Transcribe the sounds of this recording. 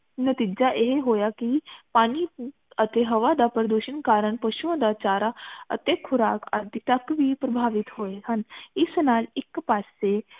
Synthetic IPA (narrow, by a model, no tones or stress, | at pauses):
nət̪iːd͡ʒaːʔeɦeɦoːjaːkipaːniː | ət̪eːɦəʋaːd̪aːpəɾəd̪oːʃənkaːɾəɳpəʃuãːd̪aːt͡ʃaːɾaːə̰t̪eːkʰʊɾaːka̰d̪it̪əkʋiːpɾəbʱaːʋɪt̪ɦoːeːhənɪsnaːlɪkpaːseː